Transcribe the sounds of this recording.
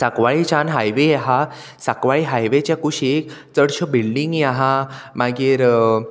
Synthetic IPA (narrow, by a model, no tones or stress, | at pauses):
sakʋaɭit͡ɕanɦajʋeɦa | sakʋaɭiɦajʋet͡ɕjakuɕiek | t͡səɽɕəbilɖiŋɡjaɦãmaɡiːɾ